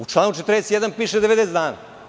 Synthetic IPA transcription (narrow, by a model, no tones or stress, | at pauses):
ut͡ʃlˠaːnut͡ʃet̪ɾnest̪jed̪anpiːʃed̪eed̪esd̪aːna̰